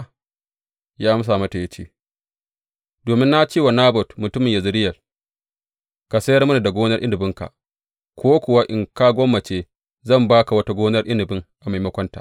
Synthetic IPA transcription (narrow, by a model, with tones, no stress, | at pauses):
jaː˦m˦s̬a˨mɐ˦ta˨jɐ˦t͡ʃḭː˦ | doː˨mɪ˦nːa˦t͡ʃiː˦wa˨naː˦bɔ˨tmʊ˨tʊ˦mɪ˨ɲja˨zʊ˦ɾɪ˦jɐ˨l | ka˨sɐ˦jɐ˦rmʊ˦na˨da˨ɡʷoː˦nɐ˦rʔɪ˦nɪ˨bɪ˦ŋka̰˨ʔ | kʷoː˦kʷʊ˨wa˦ʔɪ˨ŋka˦ɡʷɔ˦mːɐ˨t͡ʃeː˦ | zɐ˦˨mbaː˦ka˨wɐ˦ta˦ɡʷoː˦nɐ˦rʔɪ˦nɪ˨bɪ˦ŋʔa˨ma˨jmɐ˦kʷɔ˦nta̰˨ʔ